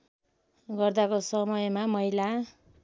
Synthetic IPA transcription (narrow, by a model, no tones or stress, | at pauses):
ɡʌrd̪akosʌmʌjmamʌɦila